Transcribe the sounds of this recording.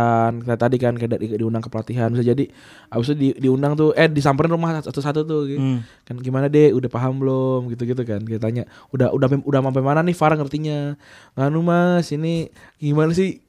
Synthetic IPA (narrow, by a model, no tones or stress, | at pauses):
antat̪adikankadadiundaŋkəpəlat̪iɦanbis̬ad͡ʒadi | abis̬udidiundaŋt̪ʊʔɛdisampaɾɪnrumahsat̪usat̪̬ut̪ʊɡɛkanɡimanadɛudahpaɦamblɔmɡit̪̬uɡit̪̬ukankajat̪aɲaʔudaʔudapudamap̬amananɪhfaɾaŋərt̪iɲa | ŋanumasiniɡimanasɪh